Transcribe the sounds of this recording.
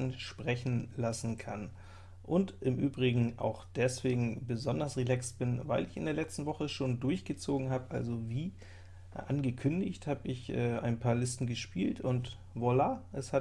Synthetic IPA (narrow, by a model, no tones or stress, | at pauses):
nʃpʁ̥ɛçn̩lasn̩kʰa̰n | ʔʊntʔɪmʔyːbʁɪɡŋ̩ʔa̰ʊxd̥ɛsv̥eːɡŋ̩bəzɔndɐsʁelɛksb̥ɪnvaɪlɪçɪ̰ndeːɐlɛt͡stn̩vɔχəʃoːndʊɐçɡ̥ət͡soːɡŋ̩ɦaːbəʔalzoviː | ʔa̰nɡəkʰʏndɪçthaːbəɪçʔɛːa̰ɪnpʰaːɐlɪstn̩ɡəʃpiːltʰʊnt | volaːʔɛsha